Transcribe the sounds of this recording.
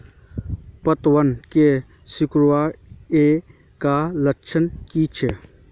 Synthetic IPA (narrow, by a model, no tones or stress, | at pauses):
pət̪wənke | sʊkɾuwae | kaləkt͡ʃʰənkit͡ʃʰe